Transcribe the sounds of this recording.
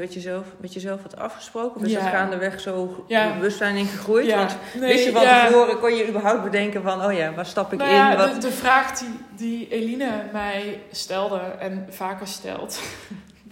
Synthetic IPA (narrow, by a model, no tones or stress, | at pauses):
ʋɛtjəzɛlˠfmɛtjəzɛlˠfʋɑtɑ̰fχə̥sprowkənɔfəsɛxaːndəʋɛxsowbəʋɵstsɛjnɪnχəχrujtʋɔnntejəʋɔoːrəkɔnjəybəɹɦawp̚bədɛŋkənvɔnoːjaʋɔtstɑpɪkɪdəvraːxdi | dielinəmɛjstɛlˠdəɛnv̥aːkəɹstɛ̰lˠt